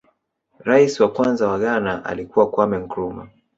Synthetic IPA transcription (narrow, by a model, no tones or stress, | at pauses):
ɾaisiwakwanzawaɠanaʔa̰likuwakwamɛŋ̩kɾuma̰